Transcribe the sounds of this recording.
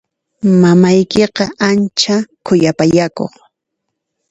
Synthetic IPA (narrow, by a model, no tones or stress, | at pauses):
mamajkeqɑʔant͡ʃakʰʊjapajako̰χ